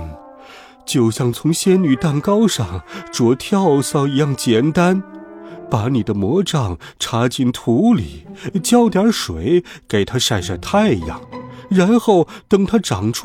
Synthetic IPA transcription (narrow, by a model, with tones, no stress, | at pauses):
t͡ɕjo˥˧ʊɕjɑ˥˩ŋt͡sʰʊ˧˥ŋɕjɛ˥ny˨˩t̪a˥˩nkɑ˥ʊʂɑ˥˩ŋʈ͡ʂwɔ˧˥t̪ʰjɑ˥˧ʊsɑ˥˩ʊi˧˥jɑ˥˩ŋt͡ɕjɛ˨˩nt̪a˥npa˧˥ni˨˩d̪ə˦mwɔ˧˥ʈ͡ʂɑ˥˨˩ŋ | ʈ͡ʂʰa˧˥t͡ɕi˥˩nt̪ʰu˧˥li˨˩˦t͡ɕjɑ˥ʊt̪jɑ˞˧˥ʂwe˧˩ɪke˨˩ɪt̪ʰa˥ʂa˥˧ɪʂa˥˧˩t̪ʰa˥˧ɪi˧jɑ̰˥˩ŋɻa˧˥nxo˥˩ʊt̪ɤ˥ŋt̪ʰa˥ʈ͡ʂɑ˨˩ŋʈ͡ʂʰ